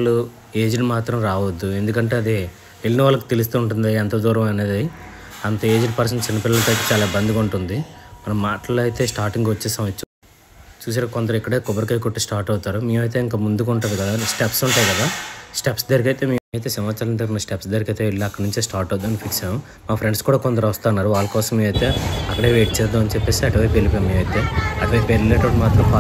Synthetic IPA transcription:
lːu | e̞ːd͡ʒinimaːt̪ɾɐmɾaːʋɐd̪ːue̞nd̪ukɐɳʈe̞ːɐd̪i | eɭːinɐʋaːlːɐku̥t̪elus̬t̪uːɳʈund̪iɐnt̪ɐd̪uːɾɐʋɐne̞ːd̪i | ɐnt̪ɐe̞ːd͡ʒinipɐɾs̬ɐnt͡ʃinːɐpilːɐlɐt̪ojt̪ɐt͡ʃaːlaːbɐnd̪ikuɳʈund̪imɐnɐmːaːʈɐloɐjt̪e̞ːsʈaːɾʈiŋɡʋɐt͡ʃːɛːsaːmɐt͡ʃːu | t͡ʃuːs̬aːnɐkond̪ɐɾɐmikːɐɽeːkɔbɐɾikɐjkoʈːesʈaːɾʈɐwut̪aːɾumiːmɐjt̪̬e̞ːiŋkaːmund̪ukuɳʈund̪ikɐd̪aːsʈepsuɳʈaːjikɐd̪aːsʈepsd̪ɐɾikɐjt̪e̞ːmiːɐjt̪̬e̞ːsɐmaːt͡ʃaːlɐnt̪ɐɾnɐsʈepsd̪ɐɾikɐjt̪eiɭːiɐkːɐɽnuɲt͡ʃeːsʈaːɾʈɐwd̪uɐnipʰiksaːmu | maːpʰɾeɳɖskuːɽaːkond̪ɐɾʋɐst̪aːnːaːɾuʋaːlɐkɔːsɐmiːʋɐjt̪e̞ːɐkːɐɽe̞ːʋeːʈ̚t͡ʃɛːɾd̪uɐnit͡ʃɛpːe̞ːsiɐʈiʋɐjpelipeːmiːʋɐjt̪eːɐʈiʋɐjpeːɾleːʈɐpɐʈimaːt̪ɾɐmpaː

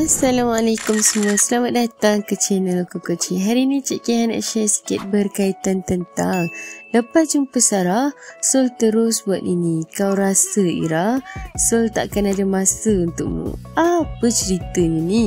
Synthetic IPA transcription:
asalamalekʊmsəmũasəlamat̪̚dat̪aŋkət͡ʃɛnəlkokət͡ʃiɦaɾinit͡ʃiʔkihana̰ʔʃasi̥kɪt̪̚bərkait̪ant̪ənt̪aŋləpat̪̚d͡ʒumpəsaɾahsolt̪əɾʊsbuat̪̚inikawɾasəḭɾahsolt̪aʔkanadamãsəunt̪ʊʔ̚mṵ̃ʔapət͡ʃəɾit̪əɲini

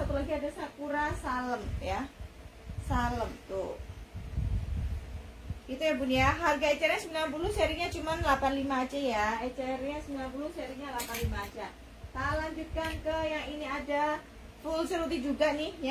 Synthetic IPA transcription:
sat̪ulaɡiadasakuɾasaləmja | saləmt̪ʊ | ɡit̪ujapunjaɦarɡaet͡ʃɛrɲasəmbilanp̬ulʊsɛɾiɲat͡ʃumanlapanlimaːt͡ʃajaɛt͡ʃɛrɲasəmbilanpulʊhsɛɾiŋɲalapanlimaːt͡ʃa | saləamd͡ʒut̪̚kankəjaŋiniada | fulsəɾut̪id͡ʒuɡanɪhja

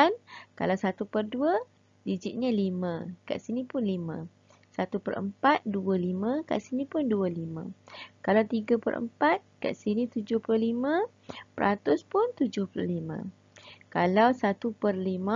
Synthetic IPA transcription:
anka̰lawsat̪upərdua | did͡ʒɪʔ̪̚ɲalimãka̰ʔsinĩpʊnlimã̰ | sat̪upə̰ɾə̰mpat̪̚dualimãka̰ʔsinipʊndualimã̰kalawt̪iɡapə̰rʔə̰mpat̪̚ka̰ʔsinĩt̪ud͡ʒʊhplʊlimã | pəɾat̪ʊspʊnt̪ud͡ʒʊhplʊ̰limã̰ | kalawsat̪upərlimã

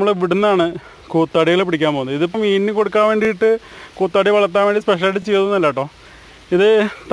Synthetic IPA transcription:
mːɐɭʋiɽunːaːɳɨ | kuːt̪ːaːɽijɐlepːiɽikʲːaːmpo̞ːunːðiðipːɐmiːnːɨko̞ɽukːaːnʋe̞ːɳɖijiʈːɨkuːt̪ːaːɽiʋɐɭɐt̪ːaːʋeːɳɖispeʂɐnaʈːɨt͡ɕejt̪unnɐlːaːʈːoː | iðɨt̪

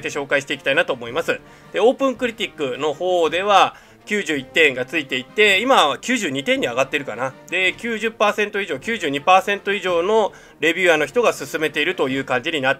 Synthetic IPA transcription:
t̪eɕo̞ːkaiɕi̥t̪e̞iki̥t̪ainat̪o̞ːmo̞imasɨ | d̪̥e̞o̞ːpɯ̟̃ŋkɯ̟ɾʲit̪ʲikːɯ̟no̞ho̞ːd̪e̞βa | kʲɨːʑɨːit̪ːẽ̞ŋɡat͡sɨit̪e̞it̪ːe̞imakʲɨːʑɨːɲ̟it̪ẽ̞ɲ̟ːiaɡat̪ːe̞ɾɯ̟kanad̪̥e̞kʲɨːʑɨpːaːsẽ̞nt̪o̞iʑo̞ːkʲɨːʑɨːɲ̟ipaːsẽ̞nt̪o̞iʑo̞ːno̞ | ɾe̞bʲɨːano̞ç̬ʲi̥t̪o̞ɡasɨsɨme̞t̪e̞iɾɯ̟t̪o̞jɯ̟ːkãɲ̟d͡ʑiɲ̟inat̪ː

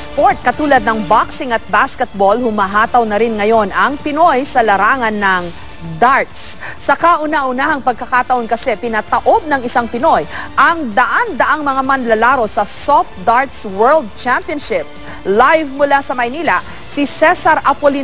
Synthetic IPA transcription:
spoɹt̪̚kɐt̪uːlɐd̪̚nɐŋbaksɪŋɐt̪̚baskɛt̪̚bo̞lhʊmɐɦaːt̪ɐwnɐɾɪnŋɐjo̞nɐŋpɪnojsɐlɐɾaːŋɐnːɐŋ | d̪aɹt̪s | sɐkaʔʊnaʔʊnahɐŋpɐɡ̚kɐkat̪ɐʔonkɐsɛpɪnɐt̪ɐʔo̞b̚nɐŋɪsaŋpɪno̞jʔɐŋd̪ɐʔand̪ɐʔaŋmɐŋamɐnlɐlaːɾo̞sɐsoft̪̚d̪aɹt̪swɛɹld̪̚t͡ʃampɪɔnʃɪp̚ | lajvmʊlasɐmɐjniːlɐ | sisɛsɐɾʔɐpoli

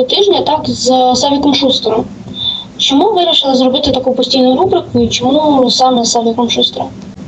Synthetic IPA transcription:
ɐt̪ʲiʐnʲɪət̪akzəsavʲɪkəmʂust̪ɾə | t͡ɕɪmuvɨɾʲɪʂɨlˠəzɾʊbʲɨt̪ʲət̪ɐkujpʊsʲtʲijnʊjʊɾubɾʲɪkʊit͡ɕɪmusaməsavʲɪkəmʂust̪ɾə̰

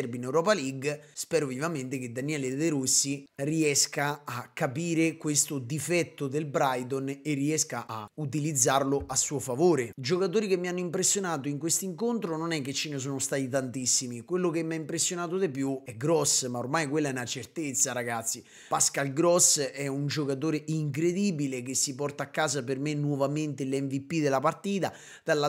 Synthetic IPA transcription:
ɛɾbinɛwɾɔːpaliɡspɛːɾovivament̪eked̪ːanjiɛːled̪eɾusːiriɛskaːkːapiːɾekwest̪od̪ifɛt̪ːod̪elbɾajd̪onerːiɛskaʔaut̪̬ilid̪zːarloʔasːuːofavoːɾed͡ʒokat̪̬oːɾikemːianːoimpɾesːjonaːt̪oiŋkwest̪iŋkont̪ɾononɛkːet͡ʃːenes̬oːnost̪at̪it̪ant̪isːimikwelːokemːiaimpɾesːjonaːt̪̬od̪epjuɛɡɾɔsːmaormajkwelːɛnat͡ʃert̪et̪sːaɾaɡat̪sːi | paskalɡɾɔsːɛund͡ʒokat̪̬oːɾeʔiŋk̬ɾed̪iːbilek̟esːipɔrt̪aːkːaːsapermenːwɔvament̪elɛɱvipːid̪elapart̪iːt̪a | d̪̥alːa

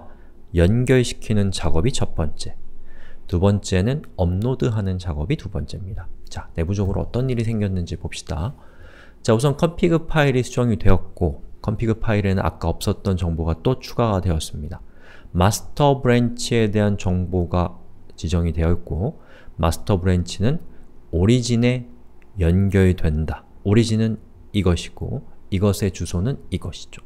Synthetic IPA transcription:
jʌnɡjʌɭɕʰi̥kʰinɯnt͡ɕaɡʌbit͡ɕʰʌp̚p͈ʌnt͡ɕ͈e̞̥tubʌnt͡ɕ͈e̞nɯnʌmnodɯɦanɯnt͡ɕaɡʌbitubʌnt͡ɕ͈e̞mɲidat͡ɕane̞bud͡ʑʌɡɯɾoʌt͈ʌnːiɾis̬ʰe̞ŋɡjʌnːɯnd͡ʑipop̚ɕ͈i̥d̥a | t͡ɕaus̬ʰʌnkʰʌmpʰiɡɯpʰaiɾisʰud͡ʑʌŋidwe̞ʌt̚k͈okʰʌmpʰiɡɯpʰaiɾenɯna̰k͈aʌp̚s͈ʌt̚t͈ʌnt͡ɕʌŋboɡat͈ot͡ɕʰuɡaɡadwe̞ʌs͈ɯmɲida | masʰɯ̥tʰʌbɯɾent͡ɕʰie̞de̞ɦant͡ɕʌŋboɡat͡ɕid͡ʑʌŋidwe̞ʌt̚k͈o | ma̰sʰɯ̥tʰʌbɯɾent͡ɕʰinɯnoɾid͡ʑine̞jʌnɡjʌɭidwe̞nda | oɾid͡ʑinɯn | iɡʌɕʰi̥ɡ̥o̰iɡʌsʰe̞t͡ɕusʰonɯniɡʌɕʰi̥d͡ʑo̥

